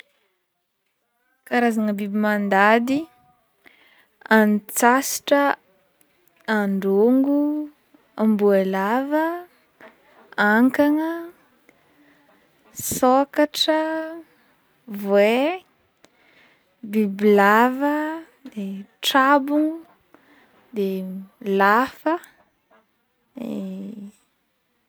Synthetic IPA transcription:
kaɾazaŋəbibimand̪ad̪i | anit͡sasi̥ʈ͡ʂə | aɳɖ͡ʐoŋɡu | ambuelavə | aŋkaŋə | sokaʈ͡ʂə | vwe | biblavə | d̪eʈ͡ʂabuŋ | d̪elafə | e

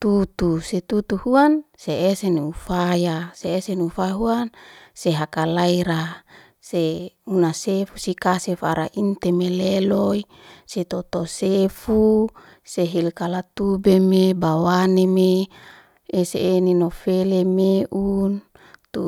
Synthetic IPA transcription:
t̪ut̪uset̪ut̪uhuanseeseniufajaseesenufaɦuanseɦakalaiɾa | seunasefusikasefaɾa̰ʔint̪emeleloi | set̪ot̪osefu | seɦilkalat̪ubemebawaneme | eseːninofelemeʔun | t̪u

